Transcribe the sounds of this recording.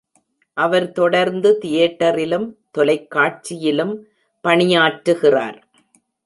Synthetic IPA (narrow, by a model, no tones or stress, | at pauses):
ʔɐʋɐɾt̪ɔɽɐɾnd̪ɯt̪ɪjɛːʈːɐɾɪlɯmt̪ɔlɐɪkːaːʈ̚t͡ʃɪjɪlɯm | pɐɳɪjaːʈɾɯɣɪra̰ːɾ